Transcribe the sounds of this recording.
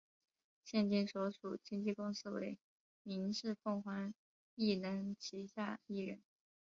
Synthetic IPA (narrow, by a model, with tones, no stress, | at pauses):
ɕjɛ˥˧nt͡ɕi˥ŋʂwɔ˧˥ʂʰu˨˩t͡ɕi˥ŋt͡ɕi˥˩kʊ˥ŋsɹ̩˥wḛ˧˥ɪ | mi˧˥nʂɻ̩˥˧fɤ˥˩ŋxwa˧˥n | i˥˩nə˧˥nt͡ɕʰi˧˥ɕja˥˧i˥˩ɻə˧˥n